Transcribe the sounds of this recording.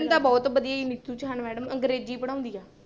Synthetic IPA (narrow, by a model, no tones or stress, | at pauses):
nd̪aːbɔːt̪bəd̪ijaːiːnɪt̪juːt͡ʃɦənmɛːɖəməŋɡɾeːd͡ʒiːpəɽ̃ãːʊ̃nd̪iːaː